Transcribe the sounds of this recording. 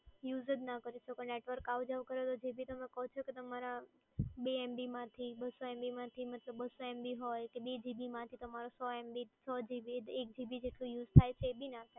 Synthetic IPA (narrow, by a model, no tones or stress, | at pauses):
juzəd͡ʒnakəɾit͡ʃokəɳneʈʋəɾkawd͡ʒaʋkəɾot̪od͡ʒebʱit̪əmekəɦot͡ʃʰoket̪əmaɾa | beɛmbimãt̪ʰibəsoɛmbimãt̪ʰimət̪ləbːəsoɛmbiɦojkebed͡ʒibimãt̪ʰit̪əmaɾosɔɛmbit͡ʃʰɔd͡ʒibiek̚d͡ʒibid͡ʒeʈlũjuzt̪ʰajt͡ʃʰeːbʱinat̪ʰa